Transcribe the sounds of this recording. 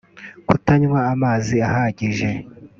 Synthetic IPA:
kutaɲwaːmaːziahaɟiʒe̞

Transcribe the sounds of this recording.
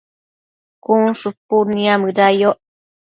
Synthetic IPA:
kunsupːunːiamɯɾajoʔ

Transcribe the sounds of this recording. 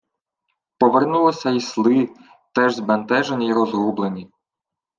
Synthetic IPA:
pɔʋernulˠɔsʲɐislˠɪ | t̪ɛʒzbɐnt̪ɛʒenʲiiɾɔzɦublˠenʲi

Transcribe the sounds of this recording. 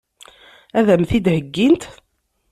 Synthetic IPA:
æðæmθid̪həɡːint̪

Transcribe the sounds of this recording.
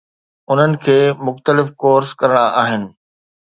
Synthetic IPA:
ʊn̤ənɪ̆kʰeːmʊxt̪əlɪfkoːɾskɐɾɪɽ̃aʔaːɦɪnɪ̆

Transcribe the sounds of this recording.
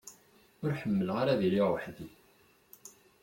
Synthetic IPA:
ʊɾħəmːəlʁaɾaðiliʁəħði

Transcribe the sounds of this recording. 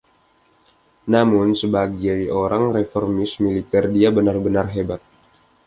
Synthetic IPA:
namʊnsəbaɡajoɾaŋrefɔrmɪsmilit̪ɛrdiabənarbənarɦebat̪̚

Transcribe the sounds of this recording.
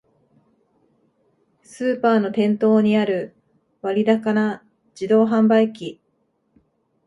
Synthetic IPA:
sɨːpaːno̞t̪ẽ̞nt̪o̞ːɲ̟iaɾɯ̟ | βaɾʲid̪akana | d͡ʑid̪o̞ːɦãmbaikʲi

